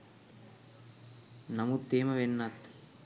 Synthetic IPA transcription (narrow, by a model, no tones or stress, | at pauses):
nɐmut̪ːeːmɐʋenːɐt̪